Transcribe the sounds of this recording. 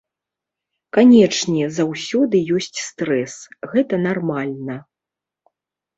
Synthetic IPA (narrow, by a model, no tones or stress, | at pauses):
kanʲɛt͡ʂnʲɛzawsʲɔd̪ɨjɔsʲt͡sʲst̪ɾɛsɣɛt̪ɐnarmalʲnɐ